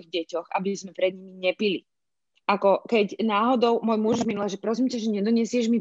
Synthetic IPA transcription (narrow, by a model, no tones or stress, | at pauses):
iɣɟɛcɔxa̰bizmɛpɾɛd̪ɲimiɲɛpili | ʔakɔkɛcnaːɦɔd̪ɔʊmʊɔjmuʒzminulaʒɛpɾɔsiːmcaʒɛɲɛd̪ɔɲɪɛsɪɛʒmi